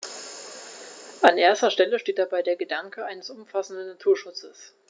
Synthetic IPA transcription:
ʔanʔeːɐstɐʃtɛləʃteːt̚d̥abaɪdeːɐɡədaŋkəaɪnəsʔʊmfasn̩dnːatʰuːɐʃʊt͡səs

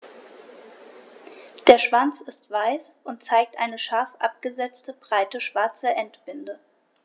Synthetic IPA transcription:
d̥eːɐʃv̥ant͡sɪstv̥aɪsʔʊnt̚t͡saɪk̚tʔa̰ɪnəʃaɐfʔa̰p̚ɡ̥əzɛt͡stəbʁaɪtəʃv̥aɐt͡səʔɛntb̥ɪndə

